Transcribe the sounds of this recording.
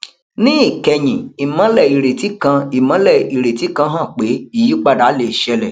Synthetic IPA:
nĩ˦i˦˨kɛ˧j̃ĩ˨i˨mã˨˦lɛ˦˨i˨ɾe˨ti˨˦kã˧i˨mã˨˦lɛ˦˨i˨ɾe˨ti˨˦kã˧ɦã˦˨k͡pe˨˦i˦˨ji˦k͡pa˦˨da˨˦le˨ʃɛ˧lɛ˨

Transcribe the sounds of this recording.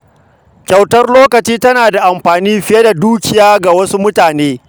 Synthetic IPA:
kʲɐ˨wtɐ˦rloː˦kɐ˨t͡ʃiː˦tɐ˦naː˨da˨ʔa˨mɸaː˨niː˦ɸɪ˨je˦da˨duː˦kʲɪ˨jaː˦ɡa˨wɐ˦su˦mʊ˦taː˨neː˦

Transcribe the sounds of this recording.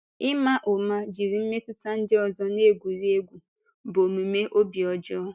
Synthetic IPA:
ɪ˦ma˦ʔo˨ma˦d͡ʒi˨ɾi˨m̩˦me˦tʊ˦ta˦n̩˦dɪ˦ɔ˨zɔ˦ne˦˨ɡʷu˨ɾe˦ɡʷu˨ | bo˨me˨me˦ʔo˦bi˨ɔ˨d͡ʒɔ˦

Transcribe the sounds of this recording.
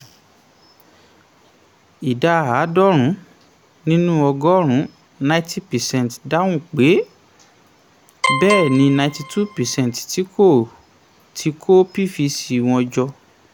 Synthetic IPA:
i˨da˧˨ɦa˨˦dɔ˦ɾ̃ũ˨˦ | nĩ˦nũ˦ɔ˧ɡɔ˦ɾ̃ũ˨˦ | nã˧ĩ˦tʰi˦pɛ˨sɛ̃˧˨n˨tda˦w̃ũ˦˨k͡pe˨˦ | bɛː˦˨nĩ˨˧nã˧ĩ˧ti˧tʰu˦pɛ˨sɛ̃˦n˨tti˨˦kʰo˦˨ | tʰi˨˦kʰo˦pi˦fi˧si˧˨w̃ɔ̃˧d͡ʒɔ˧

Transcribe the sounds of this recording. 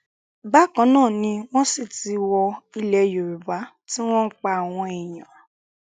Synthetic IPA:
ba˦kã˨˦nãː˦˨nĩ˧w̃ɔ̃˦si˦˨ti˨˦wɔ˧i˧lɛ˧jo˨ɾu˨ba˨˦ | ti˦w̃ɔ̃˦n̩˦k͡pa˧a˨w̃ɔ̃˧e˨j̃ã˨

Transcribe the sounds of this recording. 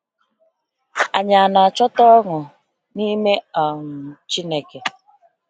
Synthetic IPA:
a˨ɲa˨na˨a˨t͡ʃɔ˦tɔ˦ŋʊ˨ | ni˦me˦ɔ˨ŋʊ˨t͡ʃi˦ne˦ke˨

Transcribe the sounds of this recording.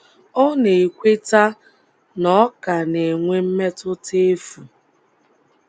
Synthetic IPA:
ɔ˦ne˨e˨kʷe˦ta˦ | nɔ˦ka˨ne˨ŋʷe˦m̩˦me˦tʊ˦te˦fu˨

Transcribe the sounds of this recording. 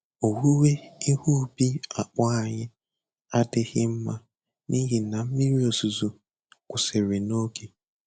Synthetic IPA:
o˨wu˦we˦i˦hu˦˨bi˦a˨k͡pɔ˦a˨ɲɪ˦ | a˦dɪ˦ɣɪ˦m̩˦ma˦ | ni˦ɦi˨na˨m̩˦mi˦ɾi˦o˨su˨zu˨ | kʷʊ˨se˨ɾe˨no˦ke˨

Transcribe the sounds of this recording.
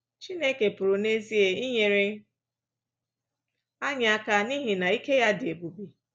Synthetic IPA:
t͡ʃi˦ne˦ke˨pʊ˨ɾʊ˨ne˦zi˦e˨i˦ɲe˨ɾe˦ | a˦ɲa˨a˦ka˦ni˦ɦi˨na˨i˦ke˦ja˦dɪ˨e˨bu˨bi˨

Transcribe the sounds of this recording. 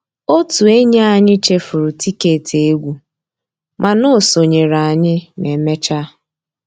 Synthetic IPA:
o˦tu˨e˦ɲe˦a˨ɲɪ˦t͡ʃe˦fʊ˨ɾʊ˨ti˦ke˨tʰe˨e˦ɡʷu˨ | mʔa˨no˦˨so˨ɲe˨ɾa˨a˨ɲɪ˦ne˨me˦t͡ʃa˦

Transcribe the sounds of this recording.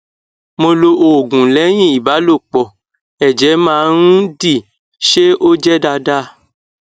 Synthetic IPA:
mo˧lo˧ʔo˨ɡũ˨lɛ˨˦j̃ĩ˦˨i˨ba˨˦lo˦˨k͡pɔ˨ | ɛ˨d͡ʒɛ˨˦mãː˦ɾ̃ũ˦di˦˨ | ʃe˦o˦d͡ʒɛ˦da˧da˦

